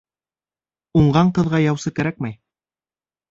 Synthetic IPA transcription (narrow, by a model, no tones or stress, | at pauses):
uɴɢɑɴqɤ̆ðʁɑjɑwsɤkæɾæk̚mæj